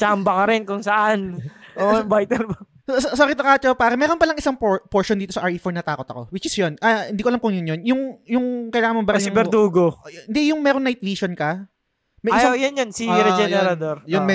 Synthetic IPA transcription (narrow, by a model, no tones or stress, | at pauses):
t͡ʃambɐkɐɾɪnkʊŋsɐʔanʔojʊŋbajt̪ɛlbɐ | ossoɾɪt̪ɐkaːt͡ʃopaːɾɐmɛːɾonpɐlɐŋʔɪsaŋpopoɹʃond̪iːt̪osɐʔaɹiːfoɹnɐt̪aːko̞t̪ɐ̰ko̞wɪt͡ʃɪsjonʔɐhɪnd̪iːkoʔɐlamkʊŋjʊnjonjʊŋjʊŋkɐjlaːŋɐmɐmbɐɾsibɛɾd̪uːɡoɪnd̪ɛjʊŋmɛːɾoŋnajt̪̚liːʃonkɐ | mɛsojʊnjɐnsiɾɛd͡ʒɛɛɾɐd̪oɾjʊnmɛ